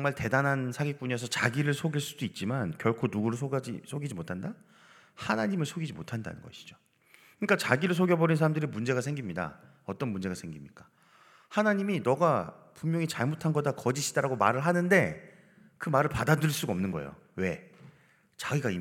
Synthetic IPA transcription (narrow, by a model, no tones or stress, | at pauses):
ŋmaɭte̞danansʰaɡik͈uɲʌsʰʌt͡ɕaɡiɾɯɭsʰoɡiɭs͈udoit̚t͡ɕ͈imankjʌɭkʰonuɡuɾod͡ʑisʰoɡid͡ʑimotʰanda | hanaɲimɯɭsʰoɡid͡ʑimotʰanda̰nɯ̰nɡʌ̰ɕʰi̥d͡ʑo | kɯɲik͈at͡ɕaɡiɾɯɭs̬ʰoɡjʌbʌɾinsʰaɾamdɯɾimund͡ʑe̞ɣasʰe̞ŋɡimɲida̰ | ʌt͈ʌnmund͡ʑe̞ɣasʰe̞ŋɡimɲik͈ḁ | hanaɲiminʌɡa | pumjʌŋit͡ɕaɭmotʰanɡʌdakʌd͡ʑiɕʰid̥aɾaɡoma̰ɾɯɭɦanɯnde̞ | kɯmaɾɯɭpadadɯɭs͈uɡʌmnɯnɡʌ̰ḛo̰ | we̞ | t͡ɕaɡiɡai